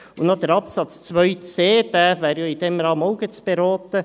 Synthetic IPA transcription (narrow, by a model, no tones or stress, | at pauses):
ʊnod̪əɾɑpsɑt͡st͡sʋœʏt͡seːd̥̪æːʋæːɾjoːid̥̪ɛmɾɑːmɔʊɡət͡sb̥eɾɔːt̪ə